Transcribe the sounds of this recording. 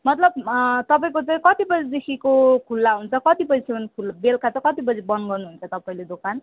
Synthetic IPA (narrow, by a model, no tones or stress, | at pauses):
mʌt̪lʌb̚t̪ʌpaĩk̬ot͡sãĩkʌt̪ibʌd͡zid̪ekʰikokʰulːaɦunt͡sʰʌkʌt̪ipʌd͡zisʰeʌnkʰulbelkʰat͡sʌkʌt̪ibʌd͡zibʌnɡʌrnuɦunt͡sʰʌt̪ʌpaĩled̪okan